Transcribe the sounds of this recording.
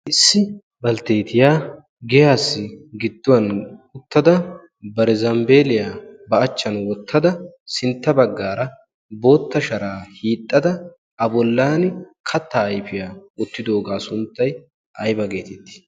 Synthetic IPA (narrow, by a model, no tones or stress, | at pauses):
ʔɪsːɪ | bɐlt̪e̞ːt̪ɪjaː | ɡɛjaːsːɪɡɪd̪ːʊwɐnʊt̪ːɐd̪ɐ | bɐɾɛzɐmbe̞ːlɪjaːbɐɐt͡ʃːɐnwɔt̪ʰːɐd̪ɐ | sɪnt̪ːɐbɐɡːaːɾɐ | bo̞ːt̪ːɐʃɐɾaːhiːt̪ʼːɐd̪ɐ | ɐbɔlːaːnkʰɐt̪ːaːjfɪjaːʊt̪ːɪd̪o̞ːɡaːsʊnt̪ːɐj | ʔɐjbɐɡe̞ːt̪ɛt̪ːɪ̥